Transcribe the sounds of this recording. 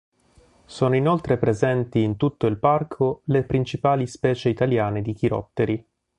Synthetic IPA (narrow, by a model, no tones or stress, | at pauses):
soːnoinolt̪ɾepɾezɛnt̪iːnt̪ut̪ːoilparkʰolepɾint͡ʃipaːlispɛːt͡ʃeit̪aljaːned̪ik̟iɾɔ̰t̪ːeɾi